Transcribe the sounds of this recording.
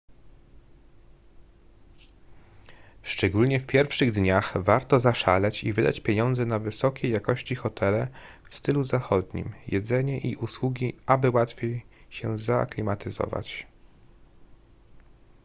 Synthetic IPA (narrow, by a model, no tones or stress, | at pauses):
ʂt͡ʂɛɡulɲɛfpʲjɛɾfʂɘɣd̪ɲaxvaɾt̪ɔzaʂalɛt͡ɕivɘd̪a̰t͡ɕpʲjeɲɔnd̪zɛnavɘsɔkʲejːakɔɕt͡ɕixɔt̪ʰɛlɛ | fst̪ɘluzaxɔd̪ɲḭmjɛd̪zɛɲɛʔiʔuswuɡʲiabɘwat̪fʲjejɕɛzaklʲimat̪ɘzɔ̰va̰t͡ɕ